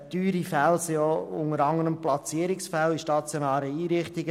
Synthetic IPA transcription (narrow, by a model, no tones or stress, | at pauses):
tyːɾifælsioʊ̰ŋəɾɑŋəɾəmplɑt͡siːəɾɪksfæliʃtɑt͡sjonæːɾəiːɾɪχtɪɡə